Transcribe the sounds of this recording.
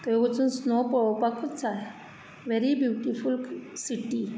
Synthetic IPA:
t̪eʋət͡sunsnopɔɔpakʰɔt͡sa | ʋeɾibjuʈifulsiʈi

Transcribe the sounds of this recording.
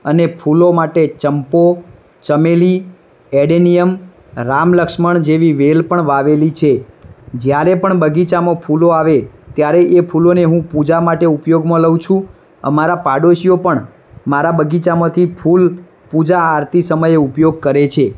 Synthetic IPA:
ənepʰulomaʈet͡ʃəmpo | t͡ʃəmeli | eɽenijəm | ɾamləkʃməɳd͡ʒeʋiʋelpəɳʋaʋelit͡ʃʰed͡ʒjaɾepəɳbəɡit͡ʃamõpʰuloaʋet̪jaɾeʔepʰuloneɦũpud͡ʒamaʈeupjoɡmãləʋ̃t͡ʃʰũ | ə̰maɾapaɽoʃijopəɳ | maɾabəɡit͡ʃamãt̪ʰipʰul | pud͡ʒaːɾt̪isəməjeupjoɡ̚kəɾet͡ʃʰe

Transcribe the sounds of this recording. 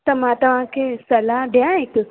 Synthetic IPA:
t̪ɐmãt̪ɐʋ̤ãkʰeːsɐlaɖijãɦɪkʊ

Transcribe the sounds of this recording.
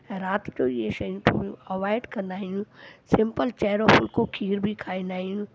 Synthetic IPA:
ɾaːt̪d͡ʒoːjeʃəĩʈ̪ujũɐʋaːɪɖkɐɾnaːɦũsɪ̃mpəlt͡ʃɛːɾoːpʊlkokʰiːɾbʱikʰaːinaːɦijũ

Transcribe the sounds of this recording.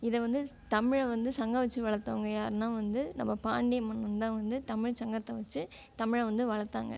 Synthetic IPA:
ɪðɐʋɐnd̪ɯt̪ɐmɪɻɐ̃ʋɐnd̪ɯsɐŋɡɐʋɐt͡ʃːɯʋɐɭɐɾt̪ːo̰ːŋɡɐjaːɾɯnːãːʋɐnd̪ɯnɐ̰mːɐpaːɳɖɪjɐmɐnːɯnd̪ãːʋɐnd̪ɯt̪ɐmɪɻsɐŋɡɐt̪ːɐʋɐt͡ʃːɯt̪ɐmɪɻɐ̃ʋɐnd̪ɯʋɐɭɐɾt̪ːa̰ːŋɡɐ̰

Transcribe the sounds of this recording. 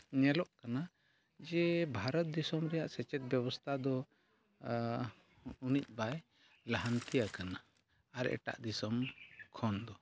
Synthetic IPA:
ɲɛlɔʔkana | d͡ʒɛbʱaɾɔt̪̚d̪isɔmɾɛjaʔsɛt͡ʃɛt̪̚bjɔbɔst̪ʰad̪ɔ | unic̪̚ˀbaj | laɦant̪ijakana | aɾɛ̰ʈa̰ʔd̪isɔmkʰɔnd̪ɔ

